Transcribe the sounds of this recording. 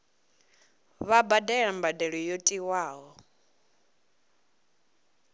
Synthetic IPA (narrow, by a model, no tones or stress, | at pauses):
βabadɛɺambadɛɺɔjotʼiwaːɦɔ